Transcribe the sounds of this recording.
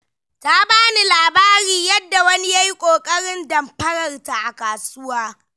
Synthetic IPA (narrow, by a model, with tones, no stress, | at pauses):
ta˦baː˦ni˨laː˨baː˦ɾiː˨jɐ˦dːa˨wɐ˦ni˦ja˦ji˦kʷʼoː˨kʼɐ˦ɽɪ˦ndɐ˨mɸɐ˦ɽɐ˨rta˨ʔa˨kaː˨sʊ˦waː˦